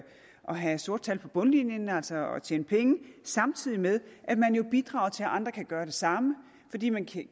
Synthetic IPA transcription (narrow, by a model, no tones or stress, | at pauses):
ʔɒ̽ɦæso̝ɐd̥̚t͡sʰælpʰɒ̽b̥ɔ̽nlinjənæl̰sɒɒt͡ɕʰḛːnəpʰeŋəsɑ̈mt͡sʰið̞̰ˠimeð̞ˠʔæd̥mænjo̝b̥id̥ʁɑ̈ːʊt͡sʰe̝lʔɑ̈nd̥ʁɐkʰæɡ̥ɶːɐd̥e̝sɑ̈mə | fɒ̽d̥ḭːmænkʰ